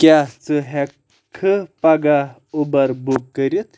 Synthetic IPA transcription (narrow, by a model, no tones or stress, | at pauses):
kjat͡səɦɛ | kʰːəpaɡa | ubəɾbukːəɾit̪